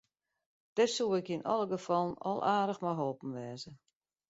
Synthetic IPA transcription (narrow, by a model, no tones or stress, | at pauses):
d̥ɪsuɪkinɔlˠəɡəfɔlˠənɔ̰lˠʔaːdəxmɔjɦoːpn̩ʋɛːzə